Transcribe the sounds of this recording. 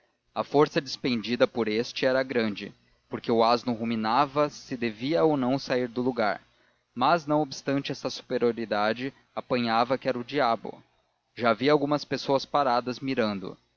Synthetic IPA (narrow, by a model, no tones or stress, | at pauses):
ɐfoɾsɐd͡ʒispẽnd͡ʒid̪ɐpoɾest͡ʃɪɛɾɐɡɾɐ̃nd͡ʒɪ̰ | poɾkeʊaznʊɦuminavɐsɪd̪eviɐownɐ̃w̃saiɾd̪ʊluɡa̰ɾ | mɐznɐ̃w̃obɪst̪ɐ̃nt͡ʃɪɛst̪ɐsu̥peɾioɾid̪ad͡ʒɪ | apɐ̃ɲavɐkɪɛɾɐʊd͡ʒiabʊ̰ | ʒaːviɐawɡũmɐspesoɐspaɾad̪ɐzmiɾɐ̃nd̪ʊ̰